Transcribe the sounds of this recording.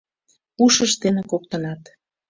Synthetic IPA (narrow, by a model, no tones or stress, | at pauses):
puʃəʃt̪enekok̚t̪ənɑt̪